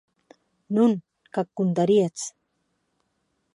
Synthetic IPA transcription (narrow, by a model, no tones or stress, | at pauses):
nun | kakːunt̪aɾiat͡s